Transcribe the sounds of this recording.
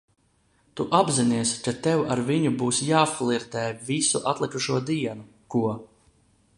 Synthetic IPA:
t̪uʔabziniɛskat̪ɛwaɾviɲubuːsjaːflˠiɾt̪ɛːvisuʔat̪lˠikuʃuɔd̪iɛnu | kuɔ

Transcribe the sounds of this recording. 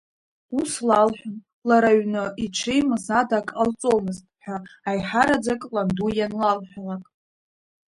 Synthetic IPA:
uslalħᶣʷan | laɾaɥnɨʔiʈ͡ʂʰejmɨzadakʼalt͡sʼomɨztʼħʷᶣaajħaɾad͡zakʼlandujanlalħʷᶣalakʼ

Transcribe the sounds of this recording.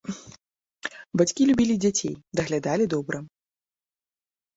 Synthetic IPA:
bat͡sʲkʲilʲubʲilʲid͡zʲat͡sʲḛjd̪ɐɣlʲad̪alʲid̪ɔbɾɐ

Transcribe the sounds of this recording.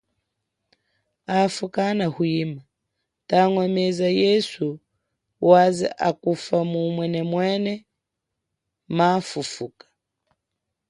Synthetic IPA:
afukanahuima | taŋwɛmɛzajɛsu | wazɛ̰ʔakufamumwɛnɛmwɛnɛ | mafufukḁ

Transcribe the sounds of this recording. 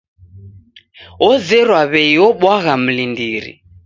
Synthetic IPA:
ɔd͡zɛɾwaβeiɔɓwaɣam̩lindiːɾḭ

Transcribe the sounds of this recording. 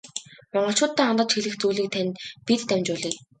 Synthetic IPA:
mɔɴɢɞ̆ɬt͡ɕʊːt̪ːæːant̪ə̆t͡ɕxiɮɘ̆xt͡suːɮiːk̚t̪ʰænt̪pit̪ːæmʲt͡ɕʊɮiː

